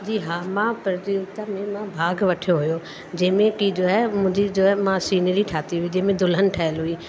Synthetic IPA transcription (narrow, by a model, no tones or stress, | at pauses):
d͡ʑiːɦaːmãpɐɾd͡ʑiʊt̪amẽmãbʱaːɡʋɐʈʰijoɦujo | d͡ʑɐ̃ɦɪ̃mẽkid͡ʑoːɛmʊ̃ɦɪ̃ɲd͡ʑid͡ʑoːɛmãsiːnəɾiʈʰaːt̪iɦʊid͡ʑɐ̃ɦɪ̃mẽd̪ʊlənɪ̆ʈʰaːɪəlɦuiː